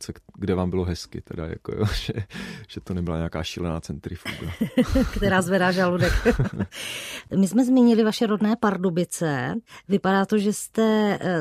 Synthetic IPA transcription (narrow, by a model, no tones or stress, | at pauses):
t͡sɛɡdɛvaːmbɪloɦɛskɪ̰t̪ɛda̰ja̰ko̰jo̰ːʒ̥ɛʒ̥ɛt̪onɛbɪlaɲɛaka̰ːʃḭːlɛna̰ːt͡sɛnt̪ɾɪfṵɡkt̪ɛɾaːzvɛdaːʒaludɛk | mɪsmɛzmɪɲɪlɪvaʃɛɾodnɛːpaɾdobɪt͡sɛvɪpadaːt̪oʒɛst̪ɛ